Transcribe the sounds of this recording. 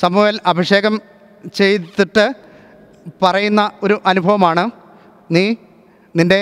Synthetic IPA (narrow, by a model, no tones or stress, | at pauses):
sɐmuːʋɐlɐbʱiʂe̞ːɣɐm | t͡ɕe̞jt̪ːiʈːɨ | pɐrɐjunːɐo̞ɾuʔɐnubʱɐʋɐmaːɳɨ | niː | ninde̞